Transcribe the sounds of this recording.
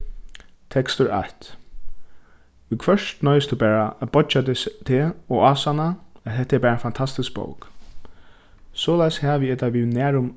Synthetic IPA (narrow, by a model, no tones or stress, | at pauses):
t̪ʰɛkst̪ʊɹa̰ht̪ | ʊkʰʋœʂt̪nœːʏst̪ubæːɹaæt̪bɔt͡ʃat̪ʰeɔaːsanaɛt̪ɦɛt̪ːɛpæːɾaɛnfant̪ʰast̪ɪsk̚b̥o̰wk | sɔːlajshɛːʋiɛt̪aʋiːðnæːɹʊm